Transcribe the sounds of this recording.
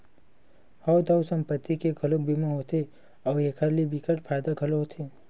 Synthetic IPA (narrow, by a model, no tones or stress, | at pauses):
hɔwd̪awsə̃mpət̪ːikeɡʰʱəlok̚bimoɦot̪ʰe | ɔːeːkʰəɾlibikəʈpʰaːjd̪aɡʱəloɦot̪ʰe